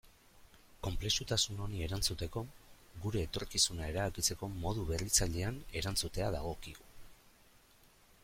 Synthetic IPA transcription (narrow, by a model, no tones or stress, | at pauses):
ko̞mple̞sut̪asuno̞nie̞ɾant͡sut̪e̞ko̞ | ɣuɾe̞ːt̪o̞ɾkisunae̞ɾaβakit͡se̞ko̞mo̞ð̞uβe̞rit͡saʎe̞ane̞ɾant͡sut̪e̞aðaɣ̞o̞kiɣu